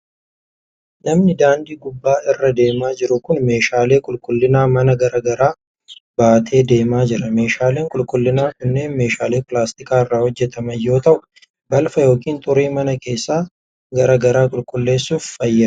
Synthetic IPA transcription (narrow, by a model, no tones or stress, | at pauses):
nɐmnɪd̪aːnd̪iːɡʊbːaːɪrːɐd̪e̞ːmaːd͡ʒɪɾʊkʊnme̞ːʃaːle̞ːkʼʊlkʼʊlːɪnaːmɐnɐɡɐɾɐɡɐɾaː | baːt̪ʰe̞ːd̪e̞ːmaːd͡ʒɪɾɐme̞ːʃaːle̞ːŋkʼʊlkʼʊlːɪnaːkʊnːe̞ːnme̞ːʃaːleːpɪlaːst̪ɪkʼaːɪrːaːhɔd͡ʒːɛt̪ɐmɐjːo̞ːt̪ɐʔʊ | bɐlfɐjo̞ːkiːnt̪ʼʊɾiːmɐnɐke̞ːsːaː | ɡɐɾɐɡɐɾaːkʼʊlkʼʊlːe̞ːsːuːfːɐjːɐ